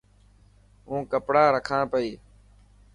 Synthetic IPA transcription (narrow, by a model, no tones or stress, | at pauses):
ũːkəpɽaːɾəkʰãːɳpəiː